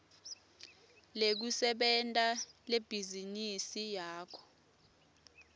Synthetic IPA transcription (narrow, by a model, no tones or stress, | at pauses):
lek̬usɛɓɛntʼaleb̥ʱizinisijaːkʰɔ̥